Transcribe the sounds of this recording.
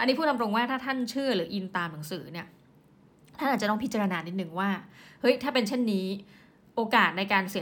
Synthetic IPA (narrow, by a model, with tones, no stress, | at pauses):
ʔa˧nːiː˦˥pʰu˥˩na˧mɾo˧ŋwaː˥˩t̪ʰaː˥˩t̪ʰa˥˩nt͡ɕʰɯ˥˩ɐɾɯː˩˦ʔi˧nt̪aː˧mna˩˦ŋsɯː˩˦ni˥˩ɐ | t̪ʰa˥˩ʔaː˨˩t͡ɕt̪ɔ˥˩ŋpʰi˦˥t͡ɕa˧ɾa˧naː˧ni˦t̪̚nɯ˨˩ŋwaː˥˩hɤ˦˥jt̪ʰaː˥˩pe˧nt͡ɕʰe˥˩nːiː˦˥ | ʔoː˧kaː˨˩t̪̚na˧jkaː˧nsi˨˩˦